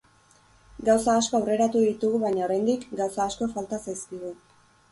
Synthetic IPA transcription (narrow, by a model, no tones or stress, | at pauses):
ɡawsaːsko̞awre̞ɾat̪uðit̪uɣuβajɲaoɾajnd̪ikɡawsaːsko̞falt̪asajskiɣu